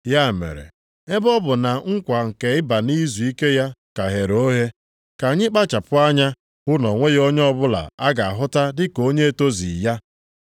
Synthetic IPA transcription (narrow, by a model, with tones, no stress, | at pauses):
ja˦˨mḛ˨ɾḛ˨ | e˦bɔ˦bʊ˨na˨ŋ̩˦kʷa˨ŋ̩˨ke˨ɪ˦ba˨ni˦zu˨i˦ke˦ja˦ka˨ɦe˨ɾo˦ɦe˦ | ka˨ɲɪ˦k͡pa˦t͡ʃa˨pʊ˦a˦ɲa˦ | ʊ˦nɔ˨ŋʷe˦jo˦ɲ˦ɔ˦bʊ˦la̰˨a˦ɡa˨a̰˨ɦʊ˦ta˦dɪ˦ko˦ɲe˦e˦to˦zḭ˨ja˦